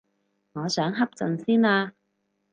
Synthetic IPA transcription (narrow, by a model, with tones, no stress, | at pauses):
ŋɔː˨˧sœː˨˥ŋɦɐ˥p̚t͡sɵ˨nsiː˥naː˧